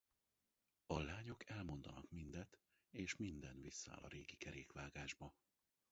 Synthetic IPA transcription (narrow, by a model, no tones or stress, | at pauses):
ɒlaːɲo̞kɛlmo̞nd̪ɒnɒkmind̪ɛt̪ | eːʃmind̪ɛnvisːa̰ːlɒ̰ɾeːɡikɛɾeːkʋaːɡaːʒbɒ